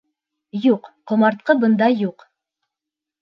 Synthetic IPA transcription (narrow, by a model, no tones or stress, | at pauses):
juqqŏmɑɾt̪̚qɤbɤ̆nd̪ɑjuq